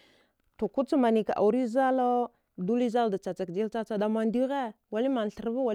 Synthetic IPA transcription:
to˨ku˦t͡sma˨ni˨ka˨ʔa̰˨wɾi˦za˦lo˦ | du˦li˦za˦lda˨t͡sa˨t͡sa˨kd͡ʒi˦lt͡sa˦t͡sa˦da˦ma˦ndi˦ɣe˦ | wa˨li˦ma˨n˨ɬə˨ɾva˦wa˨

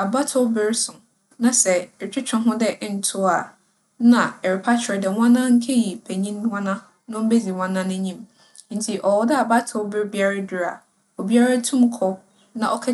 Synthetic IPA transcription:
a˨ba˦tʰʊ˦bɪ˦ɾsʊ̃˨ | nã˨sɛ˨t͡ɕᶣɪ˦t͡ɕᶣɔ̃˦ɦʊ̃˦dɛ˦ʔn̩˨tʰʊ˦a˨ | nã˨ɛ˨ɾɪ˨pʰa˦t͡ɕʰɪ˨ɾɛ˨dɛ˨wã˦nã˦ŋ̩˦kʰɛ˦ji˨pʰæ˨ɲĩ˦n˦wã˦nã˦ | nʊ̃˦m̩˦be˦di˨wã˦nã˦nʊ̃˦ɲĩ˦m | n̩˨˦tʰi˨ʔɔ˨wɔ˦dɛ˦a˨ba˦tʰʊ˦bɪ˦ɾbi˦a˦ɾa˦dʊ˨ɾa̰˨ | ɔ˨bi˦a˦ɾa˦tʰũ˦mkʰɔ˦ | nã˨ʔɔ˦kʰɛ˦

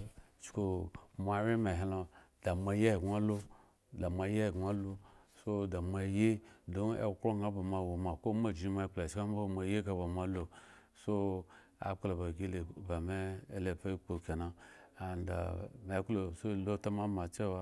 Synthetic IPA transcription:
t͡ʃko˨ma˨˦ɾe˦me˨ɦe˨lo˨da˨ma˨˦je˦˨ɡa˦lo˦ | da˨mʷa˨˦je˦˨ɡa˦lo˦so˦da˨mʷa˨je˦do˦nḛ˦kɾo˦ɡa˦ba˨ma˨wo˨ma˨ko˦ma˦˨d͡ʒi˨˦ma˦k͡pla˨t͡ʃka˦m˦bo˦ma˨˦je˦ka˨ba˨ma˨˦lo˨ | so˦ | a̰˨k͡plo˨ba˨ɡi˦le˨ba˨me˦e˦le˨pa˦i˦k͡po˨ke˨na˨a˨nda̰˨me˨˦klo˨so˦˨lo˦ta˦ma˦ma˨t͡ʃe˦wa˦

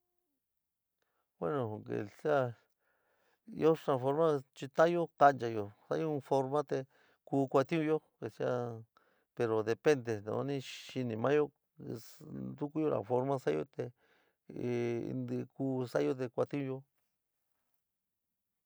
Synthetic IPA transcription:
we˦nõ˨kḛ˨si˦a˧ | jo˦tɾa˧fo˧ɾmã˦t͡ʃi˧t̪ã˦jo˦ka˧nt͡ʃa˧jo˨sa̰˦jũ˦˧fo˧ɾmã˦t̪e˧ | kuː˧kʷa˧t̪ĩ˦ũ˧jo˦ke˨si˦a˧ | pe˧ɾo˨ðe˨pe˦nd̪e˨nõ̰˨˧˦nĩ˧ʃi˧nĩ˧mã̰˦jo˦˧ | d̪u˦ku˦jo˧la̰˨fo˧ɾmã˧sa˦jo̰˦t̪e˧ | nd̪kuː˧˦sa˦jo˦t̪e˧kʷa˧t̪i˦ũ˧jo˦

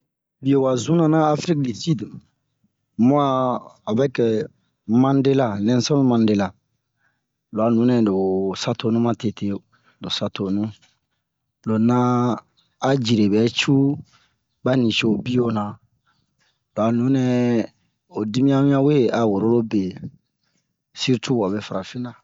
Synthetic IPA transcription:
bi˨jo˨wa˨zũ˦nã˨nãː˦fɾi˦k̚di˨si˦d | mɔ̃˦a˦a˨bɛ˦kɛ˨ | mã˦n˦de˦la˨lɛ̃˦n˦sɔ˦lmã˨˦nde˦la˨ | lo˨a˨nũ˨˦nɛ̃˨do˨sa˦tʰo˨˦nũ˦mã˦te˨tʰe˦˨ | do˨sa˦tʰo˨nũ˦ | lo˨nãː˦ | d͡ʒi˨ɾe˨bɛ˨˦t͡ʃu˦ | ba˦nĩ˨ʃo˦o˨bi˦jo˦na˨ | lo˨a˨nũ˨˦nɛ˨ | o˨di˦mĩ˦a˦mĩ˦ã˦we˦a˨wo˨ɾo˦lo˦be˨ | si˦ɾtʰu˦˨a˨bɛ˨fa˨ɾa˨fĩ˦nã˨

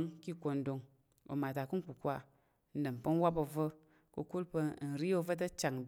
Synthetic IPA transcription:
ŋki˦ko˧ndo˧ŋ | o̰˨ma˨ta˨ku˦n˦ku˨kʷa˧ | n̩˦də˨mpə˦n˦wa˦po˧və˦ | kə̰˧ku˦lpə˧˦n̩˨ɾi˦o˧və˦t̬ə˦t͡ʃa˨ŋ

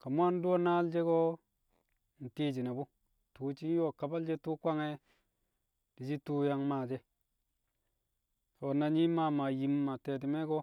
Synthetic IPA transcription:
ka˨mu˦a˦n˦du˦o˦na˦ld͡ʒe˦ko˦ | n̩˨ti˦d͡ʒi˨na˨bu˦ | tuː˨˦t͡ʃi˦n˦jo˦˨ka˨ba˦ld͡ʒe˦tu˦kʷa˦ŋe˦ | d̥i˨d͡ʒi˦tu˦ja˦ŋma˨d͡ʒe˦ | o˨na˨ɲi˦ma˦˨ma˨ji˨mːa˨te˨ti˨me˦ɡo˦

